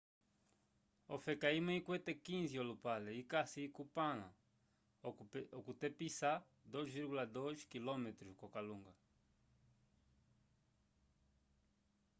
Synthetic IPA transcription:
ofekaimãĩkwet̪ekĩziolupaleikasikupãnã̰ | okut̪episa | d̪ojzviɾɣulad̪oʃkilomet̪ɾukokalũŋɡɐ

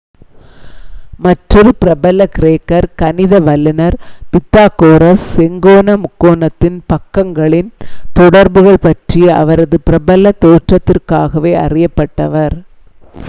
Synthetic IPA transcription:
mɐʈrɪɾpɪɾɐbɐlɐkɪɾeːkːɐɾkɐnɪðɐʋɐlːɪnɐɾpɪt̪ːaːkoːɾɐsːɛŋɡoːnɐmʊkːoːnɐt̪ːɪnpɐkːɐŋɡɐɭɪnt̪ɔɽɐɾbɯɣɐɭpɐʈriɐ̰ʋɐɾɐðɯpɪɾɐbɐlɐt̪ːoːʈrɐt̪ːɪrkaːɣɐʋeːɐ̰rɪjɐpːɐʈːɐʋɐɾ

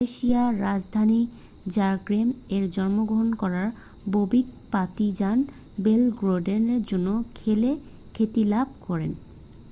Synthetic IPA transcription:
eʃiaɾad͡ʑd̪ʱani | d͡ʑaɾɡɾemeɾd͡ʑɔnmoɡɾoɦonkɔɾaɾ | bobik̚pat̪id͡ʑan | belɡɾoɖeneɾd͡ʑonːokʰele | kʰet̪ilab̚ʱkɔɾen

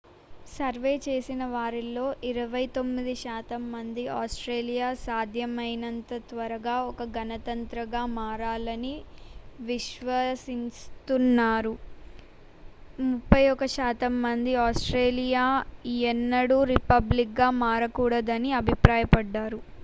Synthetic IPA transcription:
sɐɾʋe̞ːt͡ʃe̞ːsinɐʋaːɾilo̞ːʔiɾɐʋɐjt̪o̞mːid̪iʃaːt̪ɐmːɐnd̪iʔaːsʈɾeːlijaːsaːd̪ʱjɐmɐjnɐnt̪ɐt̪ʋɐɾɐɡaːɔkɐɡɐnɐt̪ɐnt̪ɾɐɡaːmaːɾaːlɐniʋiʃʋɐsinst̪unːaːɾu | mupːɐjɔkɐʃaːt̪ɐmːɐnd̪iaːsʈɾe̞ːlijaːɛnːɐɽuɾipɐblik̚ɡaːmaːɾɐkuːɽɐd̪ɐniɐbʱipɾaːjɐpɐɖːaːɾu

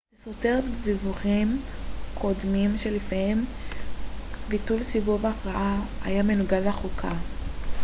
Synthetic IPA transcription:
esote̞ʁetvivuʁimkʰo̞dmimʃelifahem | bitulsivuvaχʁaʔaajame̞nuɡalaχukʰa

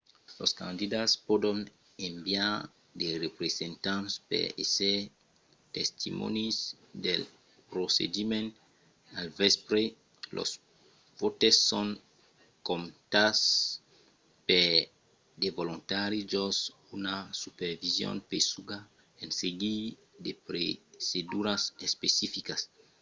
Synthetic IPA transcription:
loskã̰nd̪id̪aspod̪on | ẽmbjaɾ | d̪erepɾesẽnt̪ãnspḛese | t̪est̪ḭmo̰nis | d̪el | pɾosḛdimẽn | alvespɾe | lʔo̰s | pot̪esːoŋ | komt̪as | pe | d̪evolõnt̪aɾid͡ʒos | unasupeɾvizjõ̰npesuɡa | ẽnseɡi | d̪epɾesed̪uɾasespesifikas

